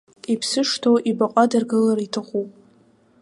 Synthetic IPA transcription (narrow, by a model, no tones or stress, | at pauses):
ipʰsɨʂtʰoʔibaqʷʼadarɡɨlaɾitʰaχʷupʼ